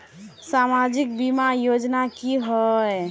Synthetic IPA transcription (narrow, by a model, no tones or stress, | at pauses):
samad͡ʒik̚bimajod͡ʒnakiɦɔj